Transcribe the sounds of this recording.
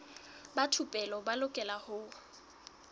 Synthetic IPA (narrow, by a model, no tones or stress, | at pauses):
batʰupʼɛlɔbalʊkʼɛlahʊː